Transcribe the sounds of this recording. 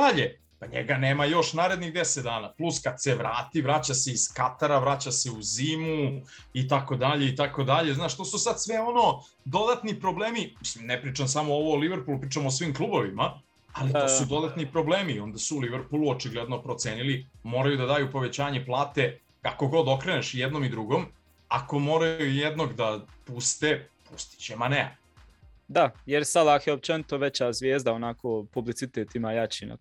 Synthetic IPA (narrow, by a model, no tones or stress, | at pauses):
aʎe | paɲḛɡaneːmajo̞ʃnaːɾe̞d̪niɣd̪eset̪̚d̪aːnaplˠuskad̪̥seʋɾaːt̪ivɾat͡ɕaseiz̥kat̪aɾaʋɾat͡ɕase̞uzimu | it̪ako̞d̪aʎe̞it̪ako̞d̪aʎe̞znaːʃt̪o̞ːsusad̪sʋeo̞no̞ | d̪o̞d̪at̪nipɾo̞bleːmimisimnepɾiːt͡ʃams̬amooʋoːliʋeɾpulupɾiːt͡ʃamosʋimklˠubo̞ʋima | alit̪osud̪o̞d̪at̪nipɾo̞bleːmio̞nd̪asuːliʋeɾpulˠuot͡ʃiɡled̪no̞pɾo̞t̪seːnilimo̞ːɾajud̪ad̪aːjupo̞ʋe̞t͡ɕaːɲeplˠaːt̪e̞ | kako̞ɡo̞d̪o̞kɾeneʃjɛd̪no̞mid̪ɾuɡo̞m | ako̞mo̞ːɾajujed̪no̞ɡd̪apust̪epust̪i̥t͡ɕemanea̰ | d̪ajeɾsad̪akjeop̚t͡ʃenit̪oʋet͡ɕazʋjeːzd̪aonakopublit̪sit̪eːt̪imajat͡ɕina̰